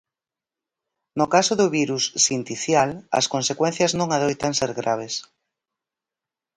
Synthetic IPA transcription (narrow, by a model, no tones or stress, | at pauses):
nokasoðoβiɾusːint̪iθjalɐ̰skonsekwenθjɐznõŋaðojt̪anseɾɣɾaβ̞es